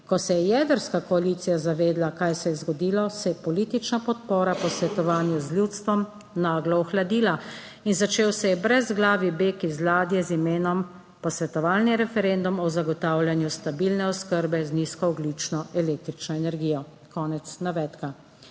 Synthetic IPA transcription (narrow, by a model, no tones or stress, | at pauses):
kɔsɛjɛjɛd̪əɾskakɔaliːt̪sijazaʋeːd̪lakajsɛjɛzɡɔd̪iːlɔsɛjɛpɔliːt̪it͡ʃnapɔt̪̚pɔːɾapɔsʋɛt̪ɔʋaːnjuzlʲjut̪st̪ʋɔm | naːɡlɔɔxlad̪iːla | inzat͡ʃeːwsɛjɛbɾɛzɡlaːʋibeːkizlaːd̪jɛzimeːnɔm | pɔsʋɛt̪ɔʋaːlniɾɛfɛɾend̪umɔzaɡɔt̪aːwlʲjanjust̪abilnɛɔskəɾbɛzniskɔɔɡlit͡ʃnɔʔɛleːk̚t̪ɾit͡ʃnɔɛnɛɾɡiːjɔ | kɔːnɛt̪snaʋɛːt̪ka